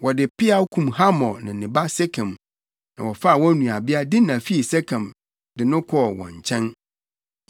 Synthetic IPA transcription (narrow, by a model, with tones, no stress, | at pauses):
wɔ˨dɪ˨pʰɪ˦a˦kʰũ˨mha˦mɔ̃˨nɪ̰̃˨nɪ̃˨ba˦se˦kʰɛ̃˨m | nã˨wɔ˨fa˦˨wɔ̃˦nũ˨a˨bɪ˦a˦dɪ˦nã˨fi˦i˨sɛ˦kʰã˨m | dɪ˨nʊ̃˦kʰɔ˦wɔ̰̃˨ɲ˨t͡ɕʰɛ̃˦n